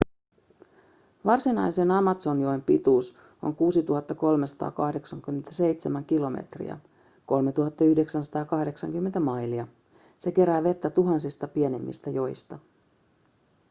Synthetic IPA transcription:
ʋɑrsinɑjsenɑmɑt̪so̞njo̞empit̪uːs | o̞̰ŋkuːsit̪uɦɑt̪ːɑko̞lme̞sɑ̥t̪ɑ̰ːkɑhde̞ksɑŋkymːent̪æse̞jt̪semæŋkilo̞mḛt̪rḭɑ̰ | ko̞lme̞t̪uhɑt̪ːɑyhde̞ksænsɑ̥t̪ɑːkɑhde̞ksɑ̰ŋkymːent̪æmɑjliɑ | se̞ke̞ɾæːʋe̞t̪ːæt̪uɦɑnsist̪ɑpie̞nemːḭst̪æjo̞jst̪ɑ

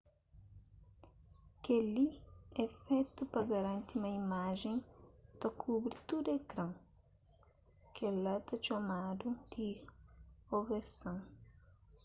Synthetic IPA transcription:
keliɛfɛt̪ʊpɐɡɐɾɐ̃nt̪imɐimaʒẽŋ̃t̪ɐkʰubɾɪt̪ud̪ekɾɐ̃ŋ | kɛlɐt̪ɐt͡ʃomad̪ʊd̪̥i | oveɾsɐ̃ŋ

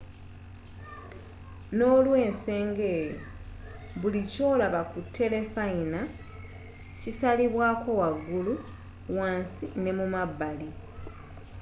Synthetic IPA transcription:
no̞ːlwe̞ːnse̞ːŋɡe̞ːjo | βulico̞ːlaβakutʰːe̞le̞faina | cisaliβwaːko̞waɡːulu | waːnsine̞mumabːali

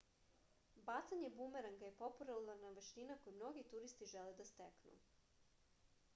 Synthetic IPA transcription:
bat̪saɲe̞bumeɾaŋɡajepo̞puɾallˠaɾnaʋeʃt̪inako̞jmno̞ɡit̪uɾist̪iʒeled̪ast̪eknṵ

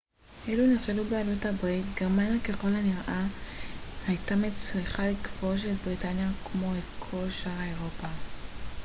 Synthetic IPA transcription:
ʔeluniχʃelubealuthabʁitɡeʁmanjakeχo̞lhaniʁʔa | hajtamet͡sʁiχalikv̥o̞ʃ̬et̚bʁitanjakʰmo̞etkʰo̞lʃaʁeʁo̞pa

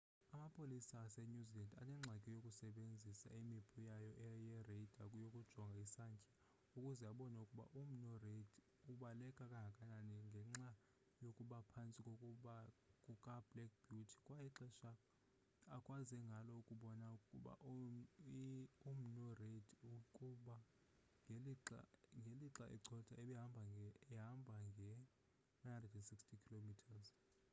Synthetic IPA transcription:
amapʰʼolisasɛnuzilɛnda̰nɛŋ͡ǁʱakʼɛjokʼusɛɓend͡zʱisa̰imibʰʼʱujajɔʔɛjɛred̥ʱa̰k̬ʼjokʼud̥ʒ̥ʱɔŋɡʱaisaŋkʰʼi̥ | ukʼuzɛaɓɔnaukʼuɓa̰ʔum̩nɔred | uɓalɛkʼakʼaɦakʼananɛŋɡʱɛŋ͡ǁa | jokʼuɓapʰant͡sʼikʼoɓakʼukʼab̥lɛk̚b̥jutʰi̥kʼwajiǁɛʃa | akʼwazɛŋɡʱalɔukʼuɓɔnaukʼuɓa̰ʔ | um̩nɔredukʼuɓa | ŋʱela̰ŋɡʱeliǁaʔɛ̰ǀʰɔtʰʼaɛɓɛɦambʱaɦambʱaŋɡʱɛ | najandrɛdɛnsikstʰikʰilomitʰaz

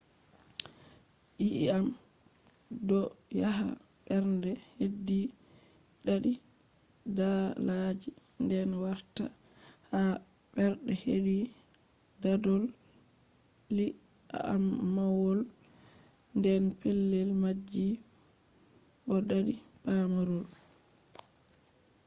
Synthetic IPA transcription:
ʔiʔam | dɔ | jaɦa̰ | ɓɛɾndɛhedːi | ɗaɗi | dalad͡ʒi | ndɛnwaɾta | ha | bɛɾɗɛhedi | dadɔl | li | a̰amːawɔl | ndɛnpelːɛlmad͡ʒːi | ʔɔɗaɗiɓamaɾɔl

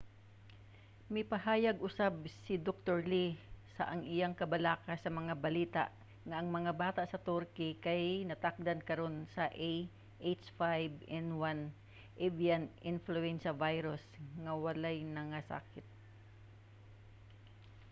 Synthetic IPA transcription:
mɪpɐhaːjɐɡʔʊsabsɪd̪ok̚t̪oɹlisɐʔɐŋʔɪjaŋkɐbɐlaːkɐsɐmɐŋabɐliːt̪a̰ʔ | ŋɐʔɐŋmɐŋabaːt̪aʔsɐt̪ʊɾkɪkajnɐt̪ak̚d̪ɐnkɐɾo̞nsɐʔej | ʔet͡ʃfajbɛnwan | ʔɛvianʔɪnfluɛnʃɐvajɾʊsŋɐwɐlajnɐŋasa̰ːkɪt̪̚

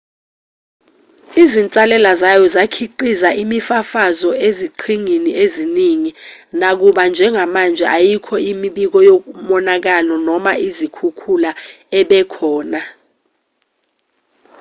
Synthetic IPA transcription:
izint͡sʼalɛlazajɔzakʰiǃizaʔimifafazɔeziǃʰiŋinieziniŋinak̬uɓand͡ʒʱɛŋʱamand͡ʒʱɛ̰ʔajikʰɔimiɓik̬ɔjok̬umɔnak̬alɔnɔmaʔizikʰukʰulaɛɓɛkʰɔːna

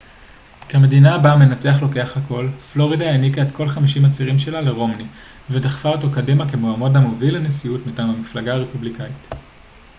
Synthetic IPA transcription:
keame̞dinaːbame̞nat͡se̞aχlo̞ke̞aχhako̞lflo̞ʁidaenikaetko̞lχamiʃimat͡siʁimʃe̞lale̞ʁo̞mni | vedaχfaotokadimakemoamo̞damovilenesiutmitaːmamiflaɡaːʁepublikait

